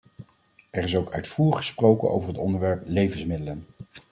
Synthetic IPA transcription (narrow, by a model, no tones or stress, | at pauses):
ɛrɪsowkœɥtfuːrəχə̥sprowkə̰nʔo̰wvəɹɦətɔndəɹʋɛɹplejvənsmɪdələn